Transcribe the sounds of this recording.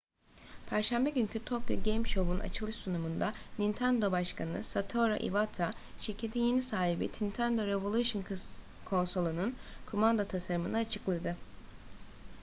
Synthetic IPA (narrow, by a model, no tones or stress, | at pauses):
pʰæɾʃæmbɛɟyɲcʰyt̪ʰokjo̰ɟejmʃo̞buna̰t͡ʃʰɯlˠɯʃsunumund̪anint̪ʰænd̪o̞baʃkʰanɯ̰sat̪ʰo̞ɾa̰ʔḭvat̪ʰaʃiɾcʰet̪ʰinje̞nisaːɦibḭt̪ʰint̪ʰænd̪o̞ɾevolˠuʃɯnkʰ | kʰo̞nso̞lˠununkʰomand̪at̪ʰasaɾɯmɯnɯːt͡ʃʰɯklˠad̪ɯ